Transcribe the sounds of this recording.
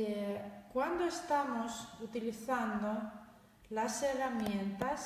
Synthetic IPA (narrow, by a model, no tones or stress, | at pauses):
ekwand̪oest̪amosut̪iliθand̪o̞ | lase̞ramjẽ̞nt̪as